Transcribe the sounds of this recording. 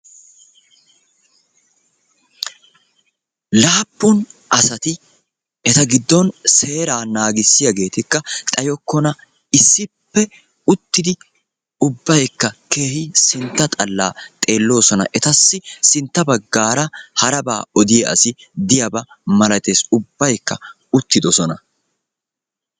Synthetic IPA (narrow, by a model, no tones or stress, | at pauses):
laːpːʊnʔɐsɐt̪ɪ | ɛt̪ɐɡɪd̪ːɔnse̞ːɾaːnaːɡɪsːɪjɐɡe̞ːt̪ɪkːɐt̪ʼɐjɔkːɔnɐ | ɪsːɪpːɛ | ʊt̪ːɪd̪ɪ | ʊbːɐjkːɐke̞ːhɪsɪnt̪ːɐt̪ʼɐlːaːt̪ʼe̞ːlːo̞ːsɔnɐ̰ʔɛt̪ɐsːɪsɪnt̪ːɐbɐɡːaːɾɐhɐɾɐba̰ːɔd̪ɪjɛɐ̰sɪ | d̪ɪjɐbɐ | mɐlɐt̪e̞ːsʊbːɐjkːɐ | ʊt̪ːɪd̪ɔsɔnɐ